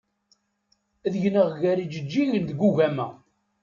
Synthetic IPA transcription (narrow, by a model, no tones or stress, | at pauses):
ðʝnəʁʝæɾid͡ʒəd͡ʒːiʝənd̪ɡuʝæmæ